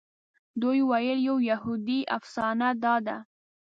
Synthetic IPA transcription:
d̪ujwajəljawjahud̪iʔa̰fsɑnad̪ɑd̪a

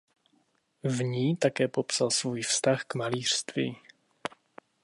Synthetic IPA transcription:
vɲiːt̪akɛːpopsalsvuːjfst̪axkmaliːr̥st̪vḭː

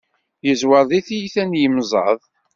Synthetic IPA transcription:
jəzwəðˤiθijiθænjəmzˤɑ̰ðˤ

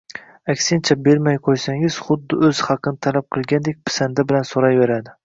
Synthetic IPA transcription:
akʲsɪnt͡ʃʰabeɾmajqʰojsaŋɪz̥χʊd̪ːɪɵzhɑqʰɨnɪt̪ʰalap̚qʰɨlˠɡʲand̪ek̚ʲpʰɪ̥sand̪abɪlansoɾɑjve̞ɾad̪ɪ

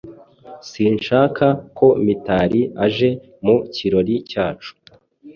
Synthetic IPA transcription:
siːnʃaːkʰakʰo̞mitaːɾiaʒe̞ | muciɾo̞ɾicaːt͡ʃu̥

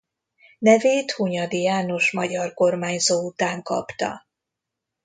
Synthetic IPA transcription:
nɛveːt̪huɲɒd̪ijaːno̞ʃmɒɟɒrko̞rmaːɲzoːut̪aːŋkɒ̰pt̪ɒ̰

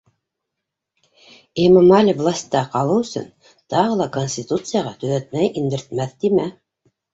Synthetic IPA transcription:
emomalʲivlˠasʲt̪ːɑqɑlˠɤwɵ̆sɵ̰n | t̪ɑʁɤlˠɑkonʲsʲt̪ʲit̪ut̪sɨjaʁɑt̪ɵ̆ðæt̪̚mæjind̪ɘ̆ɾt̪̚mæθd̪imæ

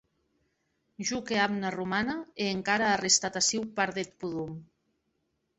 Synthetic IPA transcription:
ʒukeamnarumanaeːŋkaɾaːrest̪at̪asiwpaɾðet̪̚puðum

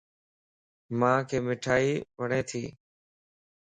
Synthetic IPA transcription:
mãːkʰeːmɪʈʰaːiːʋəɽẽːt̪ʰiː

